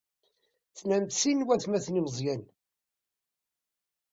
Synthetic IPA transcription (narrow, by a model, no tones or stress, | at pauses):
θnæmt̪sinwæθmæθnimzˤjæn